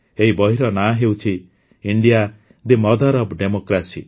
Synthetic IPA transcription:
eɦibɔɦiɾɔnaɦewt͡ʃʰi | iɳɖija | d̪imɔd̪ʱaɾɔbɖemokɾasi

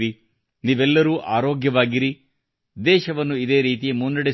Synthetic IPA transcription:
ɾi | niːʋɛlːɐɾuːʔaːɾoːɡjɐʋaːɡiɾi | d̪ɛːʃɐʋɐnːuid̪e̞ːɾiːt̪̬ijemunːɐɽe

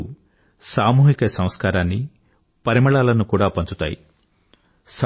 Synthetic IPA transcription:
u | saːmuːɦikɐsɐm̃skaːɾaːnːi | pɐɾimɐɭaːlɐnukuːɽaːpɐnt͡ʃut̪a̰ːjḭ | s

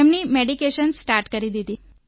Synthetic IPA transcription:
emniːmeɽikeɕənsʈaɾʈkəɾid̪id̪iː

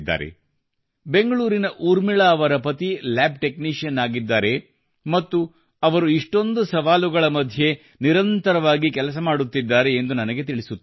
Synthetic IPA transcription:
d̪ːa̰ːɾḛ | be̞ŋɡɐɭuːɾinɐʔuːɾmiɭaːɐʋɐɾɐpɐt̪ilaːb̚ʈe̞kniːʂiɐnaːɡid̪ːaːɾe̞ | mɐt̪ːu | ɐʋɐɾuiʂʈo̞nd̪usɐʋaːluɡɐɭɐmɐd̪ʱje̞ | niɾɐnt̪ɐɾɐʋaːɡikɛlɐs̬ɐmaːɽut̪ːid̪ːaːɾe̞ːnd̪unɐnɐɡe̞t̪̬iɭisut̪ː

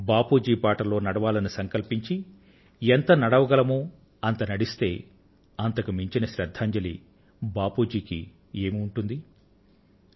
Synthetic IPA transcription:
baːpuːd͡ʒiːpaːʈɐlo̞ːnɐɽɐʋaːlɐnisɐŋkɐlpiɲt͡ʃi | ent̪ɐnɐɽɐʋɐɡɐlɐmuː | ɐnt̪ɐnɐɽist̪e̞ː | ɐnt̪ɐkumiɲt͡ʃinɐʃɾɐd̪ʱːaːɲd͡ʒɐlḭ | baːpuːd͡ʒiːkḭ | e̞ːmiuɳʈund̪i

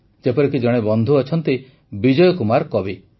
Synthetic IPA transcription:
d͡ʒepɔɾikid͡ʒɔɽ̃ebɔnd̪ʱuɔt͡ʃʰɔnt̪i | bid͡ʒɔjɔkumaɾkɔbi

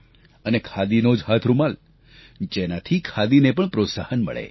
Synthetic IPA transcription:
ənekʰad̪inod͡ʒɦat̪ʰɾumal | d͡ʒenat̪ʰikʰad̪inepəɳpɾot̪sa̰hənmə̰ɭḛ

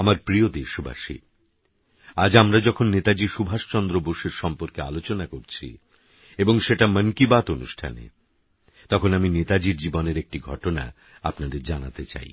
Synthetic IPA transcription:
amaɾpɾiod̪eʃubʱa̰ʃḭ | ad͡ʑamɾad͡ʑɔkʰonːet̪ad͡ʑiʃubʱaʃt͡ɕɔnd̪ɾoboʃeɾʃɔmpoɾkea̰lot͡ɕonakoɾt͡ɕʰḭ | eboŋʃeʈamənkibat̪onuʃʈʰa̰nḛ | t̪ɔkʰonaminet̪ad͡ʑiɾd͡ʑiboneɾek̚ʈiɡʱɔʈona̰ | apnad̪eɾd͡ʑanat̪et͡ɕa̰j

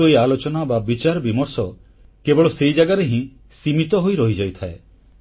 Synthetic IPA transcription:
oialot͡ʃɔnababit͡ʃaɾɔbimɔɾsɔ | kebɔɭɔsejd͡ʒaɡaɾeɦĩ | simit̪ɔɦojɾɔɦid͡ʒajt̪ʰae

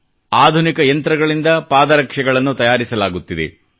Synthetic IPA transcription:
aːd̪ʱunikɐjɐnt̪ɾɐɡɐɭind̪ɐpaːd̪ɐɾɐkʂɐɡɐɭɐnːut̪ɐjaːɾisɐlaːɡut̪ːid̪ḛ

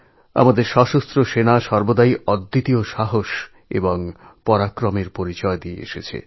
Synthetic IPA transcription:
a̰mad̪eɾʃɔʃost̪ɾoʃenaʃɔɾbod̪aiɔd̪ːit̪ioʃaɦoʃ | ḛboŋpɔɾakɾomeɾpoɾit͡ɕɔed̪iḛḛʃet͡ɕʰḛ

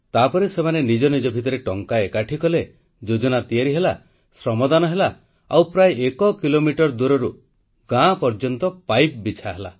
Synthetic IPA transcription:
t̪apɔɾesemanenid͡ʒɔnid͡ʒɔbʱit̪̬ɔɾeʈɔŋkaekaʈʰikɔle | d͡ʒod͡ʒɔnat̪ijaɾiɦela | sɾɔmɔd̪anɔɦela | a̰wpɾajʔekɔkilomiʈɔɾd̪uɾɔɾu | ɡãpɔɾd͡ʒɔnt̪ɔpajp̚bit͡ʃʰaɦela̰

